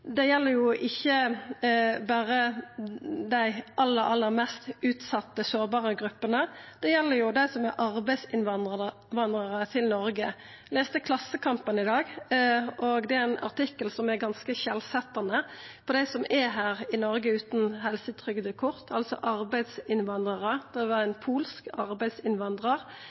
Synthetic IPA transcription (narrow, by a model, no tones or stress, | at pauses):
d̪ɛjɛlːəɾjʊʔɪçːə | bæːɾə | d̪æɪʔɑlːəɾʔɑlːəɾmɛst̪ʉːt̪sɑt̪ːəsoːʁbɑːʁəɡɾʉpːənəd̪̥ɛjɛlːəjʊd̪æɪsɔmæɾʔɑʁbæɪsɪnʋɑnd̪ʁəə | ʋɑnd̪ʁəʁət̪ʰɪlnɔɾɡə | leːst̪əkʰlɑsːəkʰɑmpənɪd̪ɑːɡ | oɡd̪ɛæɪnʔɑ̰ʁt̪ɪkːəlsɔmæɾɡɑnskəçɛlsɛt̪ːɑnəpʰɔd̪æɪsɔmʔæɦæːʁɪnɔʁɡəʉːt̪nɦɛlsət̪ʰʁʏɡd̪əkʰʊʁt̪ʰɑlsɔ̰ʔɑɾbæɪd̪sɪnʋɑnd̪ʁɑʁəd̪̥ɛʋɑænpʰuːlskɑʁbæɪsɪnʋɑnd̪ʁəʁ